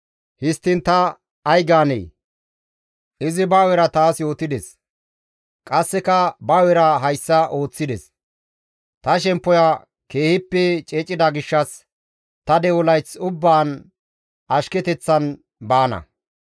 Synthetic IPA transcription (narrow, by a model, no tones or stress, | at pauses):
hɪst̪ːɪnt̪ɐː | jɡaːnḛj | ʔɪzɪbawɛɾɐt̪aːsjo̞ːt̪ɪd̪ɛs | kʼɐsːɛkɐbaːwɛɾɐɦɐjsːɐʔo̞ːt͡sːɪd̪ɛ̰s | t̪ɐʃɛmpːɔjɐ | ke̞ːhɪpːɛt͡ʃʼɛt͡ʃʼːɪd̪ɐɡɪʃːɐs | t̪ɐd̪ɛwɔlɐjt͡sʊbːaːn | ʔɐʃkɛt̪ɛt͡sːɐn | baːnɐ̰